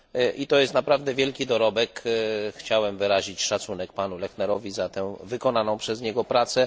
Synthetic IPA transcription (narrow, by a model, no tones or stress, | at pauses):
ʔit̪ɔjɛst̪napɾavd̪ɛvʲjɛlkʲid̪ɔɾɔbɛkxt͡ɕawɛmvɘɾaʑit͡ɕʂat̪sunɛk̚panulɛxnɛɾɔvʲizat̪ɛ̃vɘkɔnanɔ̃w̃pʂɛzɲɛɡɔpɾat̪sɛ